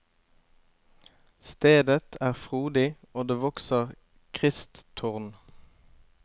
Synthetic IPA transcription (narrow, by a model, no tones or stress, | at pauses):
st̪eːd̪ət̪ʰæːʁfʁuːd̪ɪ | oːd̪eːʋɔksəʁ | kʰʁɪst̪t̪ʰʊʁn